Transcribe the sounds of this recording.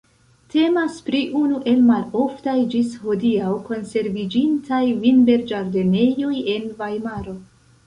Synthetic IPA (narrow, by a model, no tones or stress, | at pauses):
tʰe̞maspɾiʔunuʔe̞lmalo̞ftajd͡ʒisho̞diawko̞nse̞ɾvid͡ʒintʰajvinbe̞ɾd͡ʒaɾde̞ne̞joje̞nvajmaɾo̞